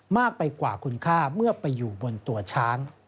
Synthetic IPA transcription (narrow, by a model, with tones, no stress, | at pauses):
maː˥˩k̚pa˧jkwaː˨˩kʰu˧nkʰaː˥˩mɯ˥˩ɐpa˧jːuː˨˩bo˧nt̪u˧˩ɐt͡ɕʰaː˦˥ŋ